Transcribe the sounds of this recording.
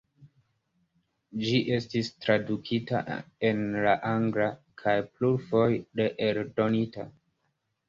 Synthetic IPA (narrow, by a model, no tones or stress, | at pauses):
d͡ʒiʔe̞stistɾadukʰita̰e̞nlaʔaŋɡlakʰajpluɾfo̞jde̞ʔeldo̞nita